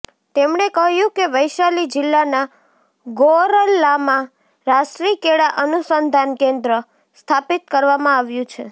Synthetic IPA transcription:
t̪emɳekəɦjũkeʋəjʃalid͡ʒɪlːana | ɡoɾəlːamã | ɾasʈɾikeɽaʔənusənd̪ʱankẽnd̪ɾə | st̪ʰapit̪kəɾʋamãaʋjũt͡ʃʰe

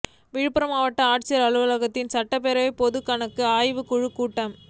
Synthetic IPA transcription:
ʋiːɻpːɐɾɐmaːʋɐʈːɐaːʈ̚t͡ʃɪjɐɾɐɻɯʋɐlɐɣɐt̪ːɪnsɐʈːɐp̬ːɛɾɐʋɐɪpɔðɯkːɐɳɐkːɯaːjʋɯkʊɻɯkːuːʈːɐm

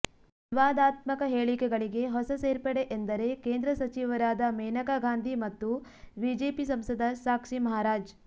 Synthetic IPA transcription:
ʋiʋaːd̪aːt̪mɐkɐɦeːɭikɛɡɐɭiɡe̞ɦɔsɐseːɾpɐɽeʔend̪ɐɾe̞keːnd̪ɾɐsɐt͡ʃiʋɐɾaːd̪ɐmejnɐkaɡaːnd̪ʱimɐt̪ːubiːd͡ʒeːpisɐmsɐd̪ʱɐsaːkʂimɐɦaːɾaːd͡ʒ

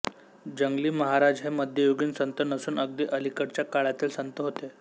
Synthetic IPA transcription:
d͡ʑəŋɡliːməɦaɾad͡zɦeməd̪ʱjəjoɡiːnsənt̪ənəsuːnəɡd̪iːʔəlikəɾt͡ɕjakaɭat̪iːlsənt̪əɦot̪e

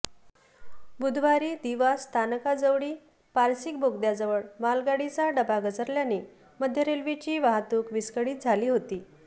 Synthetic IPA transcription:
bud̪ʱʋaɾiːd̪iʋast̪ʰanəkad͡zəʋɽiː | paɾsik̚bʱoɡd̪jad͡zəʋəɭmalɡaɽit͡saɖəbaɡət͡səɾljani | məd̪ʱjəɾelʋit͡ɕiːʋaɦt̪uːkʋiskəɽiːt̪̚d͡zʱaliːɦot̪iː

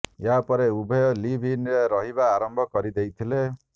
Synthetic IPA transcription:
eɦapɔɾeubʱɔjɔlibʱinɾeɾɔɦibaːɾɔmbʱɔkɔɾid̪ejt̪ʰile

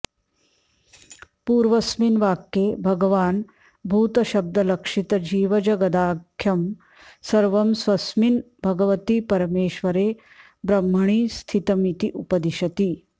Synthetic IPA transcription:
puːɾʋɐsminʋaːkjeːbʱɐɡɐʋaːn | bʱuːt̪ɐʃɐb̚d̪ɐlɐkʂit̪ɐd͡ʒiːʋɐd͡ʒɐɡɐd̪aːkʰːjɐm | sɐɾʋɐmsʋɐsmin | bʱɐɡɐʋɐt̪ipɐɾmeːʃʋɐɾeː | bɾɐm̤ːɐɳ̃iːst̪ʰit̪ɐmit̪iʔupɐd̪iʃɐt̪i

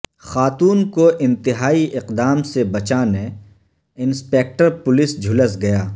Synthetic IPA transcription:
xaːt̪uːnkoʔɪ̃nt̪ɪɦaːiʔɪqd̪aːmsebɐt͡ʃaːnẽ | ɪnspeːk̚ʈəɾpʊlɪsd͡ʒʱʊləsɡɐjaː

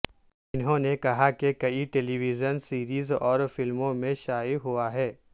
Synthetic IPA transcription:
ɪnɦõnekɐɦakekɐiʈeːliʋɪzənsiːɾiːzɔːɾfɪlmõmẽʃaːiɦʊaɦɛː

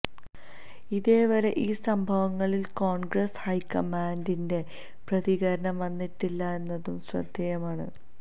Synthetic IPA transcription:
iðeːʋɐɾe̞ʔiːsɐmbʱɐʋɐŋːɐɭilko̞ːɳɡrɐshɐjkɐmaːndinde̞ | prɐðiɣɐɾɐɳɐmʋɐnːiʈːilːɐe̞nːɐðumɕrɐ̰d̪jɐjɐmaːɳɨ̰

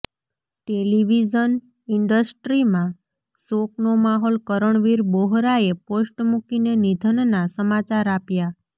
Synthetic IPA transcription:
ʈeliʋid͡ʒən | iɳɖəsʈɾimã | soknomaɦolkəɾəɳʋiɾboɦɾaeposʈmukinenid̪ʱənnasəmat͡ʃaɾapja

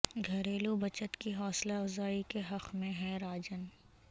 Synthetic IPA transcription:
ɡʱɐɾeːlubɐt͡ʃət̪kiɦɔːslaɐfzaːikeɦɐqʰmẽɦɛɾaːd͡ʒən

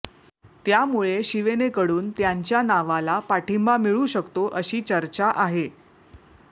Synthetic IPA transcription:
t̪jamuɭeɕiʋenekəɽuːnt̪jaɲt͡ɕjanaʋalapaʈimbamiɭuɕəkt̪oʔəɕiːt͡ɕəɾt͡ɕaʔaɦe

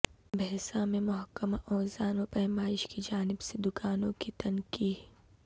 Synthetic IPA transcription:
bɛɦːsãmẽmʊɦəkːəmaʔɔːzaːnopɛɦmaːɪʃkid͡ʒaːnɪbsed̪ʊkaːnõkit̪ɐnkiː

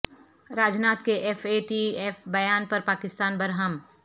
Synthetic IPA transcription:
ɾaːd͡ʒnaːt̪keʔefʰeːʈieːfbɐjaːnpɐɾpaːkɪst̪aːnbɐɾɦɐm

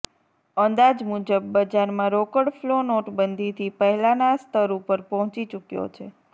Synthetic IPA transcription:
ənd̪ad͡ʒmud͡ʒəbːəd͡ʒaɾmãɾokəɽflonoʈbənd̪ʱit̪ʰipəɦɛlanast̪ʰəɾupəɾpɔɦɔ̃t͡ʃit͡ʃukjo̰t͡ʃʰe

